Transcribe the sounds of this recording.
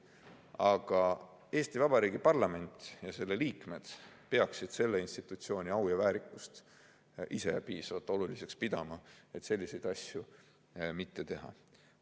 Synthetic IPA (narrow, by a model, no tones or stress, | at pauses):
ɑɡ̥ɑ | e̞ːst̪ivɑbɑɾiːɡipɑrlɑme̞nʲt̪ˑjɑse̞lːe̞liːkme̞d̪̥pe̞ɑksid̪̥se̞lːe̞inst̪it̪ːˑut̪sio̞ːnʲiɑwjɑvæːɾikːˑust̪ | ʔise̞̰piːsɑvɑt̪ːˑo̞lulise̞kspid̪̥ɑmɑe̞t̪se̞lʲːise̞jd̪̥ɑsʲju | mit̪ːe̞t̪e̞ɦɑ̰